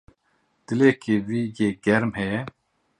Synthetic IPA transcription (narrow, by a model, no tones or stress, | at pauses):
d̪̥ɪleːkeviːjeːɡɛɾmhɛjɛ